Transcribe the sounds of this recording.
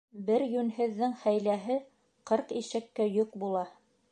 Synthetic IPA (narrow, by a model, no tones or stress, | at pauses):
bɘɾjʉnhɘ̆ðːɘŋhæjlæɦɘ | qɤɾqiʃɘ̆kːæjɵqbulˠɑ